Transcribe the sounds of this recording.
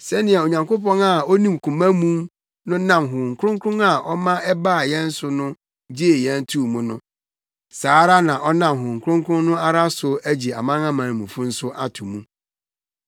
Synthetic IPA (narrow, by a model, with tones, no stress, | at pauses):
sɛ˦nɪ̃˨a˨o˨ɲã˨ŋko˦pɔ̃˦na˨ɔ˦nĩ˨mkʰũ˨mã˦mũ˦m | nʊ̃˦nã˨mɦʊ˨ŋ̩˨kʰɾʊ̃˦ŋkʰɾʊ̃˦na˨ʔɔ˦mã˦ɛ˦baː˦˨jɛ̃˦n̩˦sʊ˦nʊ̃˦ | d͡ʑi˦e˨jɛ̃˦ntʰu˦mũ˨nʊ̃˦ | saː˨˦ɾa˦nã˨ʔɔ˦nã˨mɦʊ˨ŋ̩˨kʰʊ˦ʊ̃˦ŋkʰɾʊ̃˦nnʊ̃˦a˦ɾa˦sʊ˨æ˦d͡ʑi˨a̰˨mã˦ŋã˦mã˨n˨mũ˨fũ˦n̩˦sʊ˦ʔa˨tʰu˨mũ˦